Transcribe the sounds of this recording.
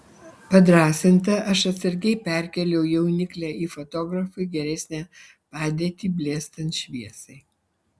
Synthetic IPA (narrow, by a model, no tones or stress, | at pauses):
pɐd̪ɾɑːsʲɪnt̪ɐʔɐʃɐt̪ʲsʲɐɾʲɡʲɛɪpʲæɾʲkʲɛlʲɛʊjɛʊnʲɪklʲæːiːfot̪oːɡɾɐfɐɪɡʲɛɾʲɛsʲnʲæː | pɑːd̪ʲiːt̪ʲiːbʲlʲeːst̪ɐnt̪ʃʲʋʲiɛsɐɪ